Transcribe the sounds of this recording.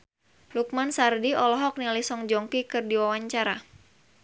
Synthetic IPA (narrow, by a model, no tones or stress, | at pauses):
luk̚mansardiɔlɔɦɔk̚nilisɔŋd͡ʒɔŋkikɨrdiwawaɲt͡ʃaɾa